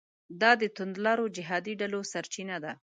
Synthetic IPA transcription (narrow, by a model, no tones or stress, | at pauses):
d̪ɑd̪ət̪ʊnd̪lɑɾod͡ʒɪɦɑd̪iɖalosaɾt͡ʃinad̪a